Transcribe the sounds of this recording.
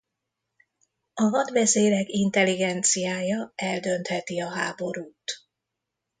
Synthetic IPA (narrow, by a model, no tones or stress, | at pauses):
ɒvɒd̪ʋɛzeːɾɛkint̪ɛliɡɛnt̪sijaːjɒɛld̪ø̞nt̪hɛt̪iɒɦaːbo̞ɾuːt̪